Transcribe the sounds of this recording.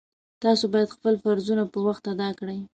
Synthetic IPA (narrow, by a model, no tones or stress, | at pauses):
t̪ɑsobɑjad̪xpəlfaɾzunapəwaxt̪ad̪ɑkɽəj